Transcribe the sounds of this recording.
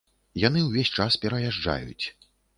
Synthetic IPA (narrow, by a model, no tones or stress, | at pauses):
jan̪ɨwvʲesʲt͡ʂaspʲɛɾɐjaʐd͡ʐa̰jṵt͡sʲ